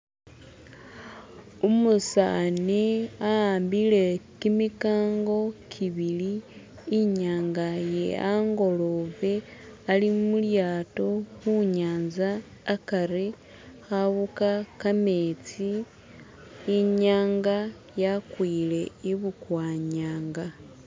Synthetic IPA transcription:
umusa̰niaaːmbile̞kimikaːŋɡo̞kʰiβiliː | ɲaːŋɡajḛaŋɡo̞lo̞βe̞alimuljaːto̞xuɲaːnzaː | kaɾi | xaβukakame̞ːt͡si | ɲaːŋɡa | jakwiːle̞iβukwaːɲaːŋɡa

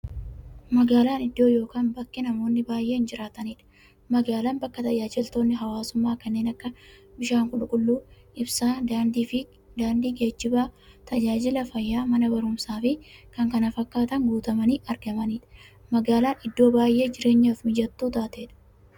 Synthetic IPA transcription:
mɐɡaːlaːnɪd̪ːo̞ːjo̞ːkaːnbɐkːɪnɐmo̞ːnːɪbaːjʔe̞ːɪnd͡ʒɪɾaːt̪ɐniːᶑɐ̥ | mɐɡaːlaːnbɐkːɐt̪ɐjaːd͡ʒɪlt̪o̞ːnːɪɦɐwaːsʊmːaːkɐnːe̞ːnɐkːɐbɪʃaːŋkʊᶑʊkʼʊlːuː | ʔɪbsaːad̪fɪ | d̪aːnd̪iːɡe̞ːt͡ʃːɪbaː | t̪ɐd͡ʒaːd͡ʒɪlɐfɐjːaːmɐnɐbɐɾʊmsaːfɪkɐŋkɐnɐfɐkːaːt̪ɐŋɡuːt̪ɐmɐniːʔɐɾɡɐmɐniːᶑɐ̥ | mɐɡaːlaːnɪd̪ːo̞ːbaːjʔe̞ːd͡ʒɪɾe̞ːɲːafmɪd͡ʒɐt̪ːuːt̪aːt̪eːᶑɐ̥

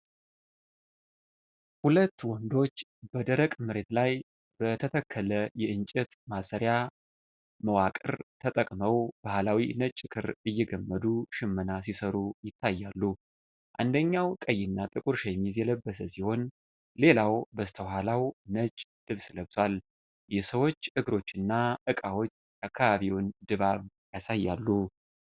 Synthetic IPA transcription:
hulət̪ːwɔnd̪o̞t͡ʃːb̥əd̪əɾəkʼmɨɾe̞t̪laj | b̥ət̪ʰət̪ʰəkʰːələjɛʔɨnt͡ʃʼɛt̪masəɾja | məwakʼɨɾt̪ʰət̪ʼəkʼməwb̥ahlawinət͡ʃʼːɪkʰɨɾɨjːɛɡəmːəd̪uʃɪmːənas̬isəɾujɪt̪ʰːajːalːu | ʔand̪əɲːawkʼəjːɪnːat̪ʼɨkʼuɾʃajɛmizjɛləbːəs̬əsiho̞n | le̞lawbəst̪ʰəɦalawnət͡ʃʼd̪̥ɨβsɨləβt̪ʰwal | jɛsəwo̞t͡ʃːʔɨɡɾo̞t͡ʃːɨnːaʔɨkʼawo̞t͡ʃːʔakʰːaβaβiwnd̪ɨβaβ | jasajːalːu

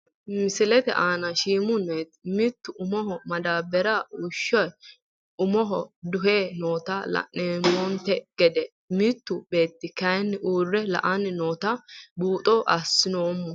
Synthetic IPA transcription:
mɪsɪlɛt̪ɛ̰ʔaːnɐʃiːmʊnet̪mɪt̪ːʊʔʊmɔɦɔmɐd̪aːbɛɾɐʊʃːɔj | ʊmɔɦɔd̪ʊɦeːno̞ːt̪ɐlɐ̰nːeːmɔnt̪ɛɡ̥ɛd̪ɛ | mɪt̪ːʊbeːt̪ːɪkɐjnːɪuːrːɛlɐ̰ʔɐnnoːt̪ɐbuːt̪ʼɔʔɐsːɪnoːmːɔ

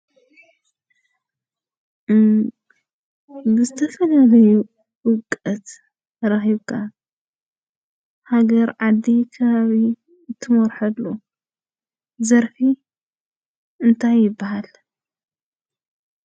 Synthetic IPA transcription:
bɨzɨt̪ʰɐfɐlalɐju | wʊkʼːɐt̪ | ɾaxiβkʰa | haɡɐɾʕad̪ːikʰɐβaβi | ɨt̪ʰːɨmɔɾħɐd̪u | zɐɾfi | ɨnt̪ʰajːɪbːaɦal

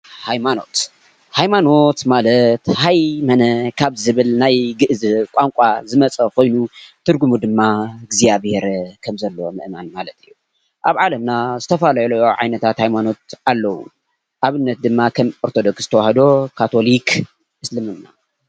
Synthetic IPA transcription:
hajmano̞̰t̪ | hajmano̞t̪malɐt̪hajmɐnɐkʰaβzɨβɨlnajɡɨʔzɨkʷʼaŋkʷʼazɨmɐt͡sʼɐkʰo̞jnut̪ʰɨɾɡumud̪ɨmːaɡzijaβheɾkʰɐmzɐlːomɨ̰ʔmanmalɐt̪ʰɨjːu | ʔaβʕalɐmnazɨt̪ʰɐfalɐlɐjoʕa̰jnɐt̪ʰat̪hajmano̞t̪̚alːɐwṵ | ʔaβɨnːɐt̪̚d̪ɨmːakʰɐmoɾt̪ʰod̪oksz̥ɨt̪ʰɐwahɐd̪o̞kʰat̪ʰo̞lik | ʔɨslɨmɨnːa̰

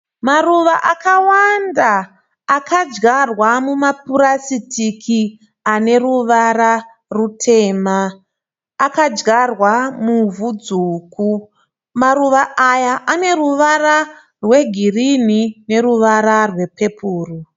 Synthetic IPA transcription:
maruʋaʔakawandaː | kad͡ʒɡarwamumapuɾasitikʰi | ane̞ruʋara | rutʰe̞ːmaː | kad͡ʒɡarwamuvud͡zuːku | maɾuʋaajaʔane̞ruʋara | rwe̞ɡʱirinine̞ruʋaɾarwe̞pe̞pʰuːru

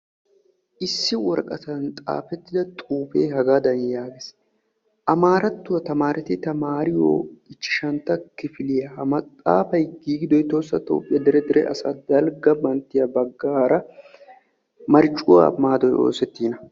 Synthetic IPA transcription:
ʔɪsːɪwɔɾkʼɐt̪ɐnt̪ʼa̰ːfɛt̪ːɪd̪ɐt̪ʼuːfeːhɐɡaːd̪ɐnjaːɡes | ʔɐmaːɾɐt̪ːʊwɐt̪ɐmaːɾɛt̪ɪt̪ɐmaːɾɪjo̰ːɪt͡ʃːɪ̥ʃɐnt̪ːɐkɪfɪlɪjɐhɐmɐt̪ʼːa̰ːfɐjɡiːɡɪd̪ɔjt̪oːsːɐt̪ʼo̰ːpʼːɪjɐd̪ɛɾɛd̪ɛɾɛʔɐsɐd̪ɐlɡɐbɐnt̪ːɪjɐbɐɡːaːɾɐ | mɐɾt͡ʃʼːʊwa̰maːd̪ɔjo̞̰ːsɛt̪ːiːnɐ

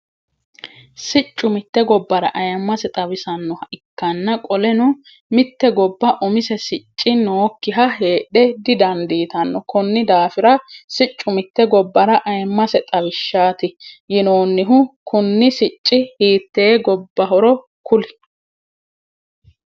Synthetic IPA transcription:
sɪt͡ʃʼːʊmɪt̪ːɛɡɔbːɐɾɐ̰ʔɐjɐmːɐsɛt̪ʼɐbɪsɐnːɔhɐʔɪkːɐnːɐkʼɔlɛnʊ | mɪt̪ːɛɡɔbːɐʔɔmɪsɛsɪt͡ʃʼːɪnoːkːɪɦɐɦeːɗɛd̪ɪd̪ɐnd̪iːt̪ɐnːɔkɔnːɪd̪aːfɪɾɐsɪt͡ʃʼːʊmɪt̪ːɛɡɔbːɐɾɐʔɐjɐmːɐsɛt̪ʼɐwɪʃːaːt̪ɪjɪnoːnːɪɦʊkʊnːɪsɪt͡ʃʼːɪhiːt̪ːeːɡɔbːɐɦɔɾɔ | kʊlɪ

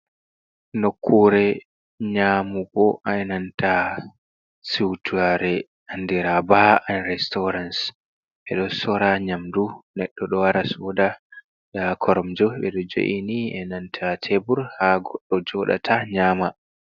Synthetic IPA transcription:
nokʰːuɾɛ | ɲaːmubɔʔanantʰa | siwtʰuaɾɛ | andiɾabaanɾɛstɔɾans | ɓɛɗɔsɔɾaɲamdunɛɗːɔɗɔwaɾasuda | ɗakʰɔɾɔmd͡ʒɔɓɛ̰ɗɔd͡ʒo̰ʔiniɛ̰nantʰatʰebuɾhaɡɔɗːɔd͡ʒɔɗa̰tʰaɲaːma

